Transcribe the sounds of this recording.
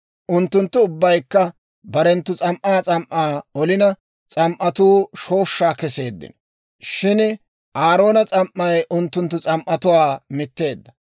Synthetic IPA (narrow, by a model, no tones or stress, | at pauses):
ʔʊnt̪ːʊnt̪ːʊʊbːɐjkːɐ | bɐɾɛnt̪ːʊt͡sʼɐmʔaːt͡sʼɐmʔaːɔlɪnɐ | t͡sʼɐmʔɐt̪uːʃo̞ːʃːaːkɛse̞ːd̪ːɪ̰n | ʃɪn | ʔaːɾo̞ːnɐt͡sʼɐmʔːɐjʔʊnt̪ːʊnt̪ːʊt͡sʼɐmʔɐt̪ʊwaːmɪt̪ːe̞ːd̪ːɐ